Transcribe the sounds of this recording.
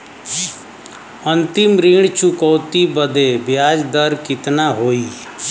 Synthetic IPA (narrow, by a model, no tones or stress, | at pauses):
ənt̪ɪmɾiɳ̃t͡ʃʊkɔːt̪ibəd̪eːbɪjaːd͡ʒd̪əɾkɪt̪naːɦoːiː